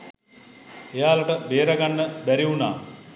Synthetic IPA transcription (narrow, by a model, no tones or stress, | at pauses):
ejaːlɐʈɐbeːɾɐɡɐnːəbɛɾiʋunaː